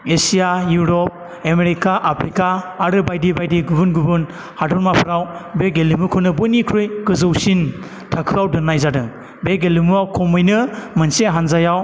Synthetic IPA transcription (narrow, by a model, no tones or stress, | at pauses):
esijajuɾɔp̚ | emeɾikaʔapʰɾikaːɾɯbajdibajdiɡubunɡubɯn | hadɔɾmapʰɯɾawbeɡelimukʰɯnɯbonikʰɾujkɯzɯwsin | tʰakʰɯawdɯnːajzadɯ | beɡelimuawkʰɔmɯjnɯmɯnseɦanzajaw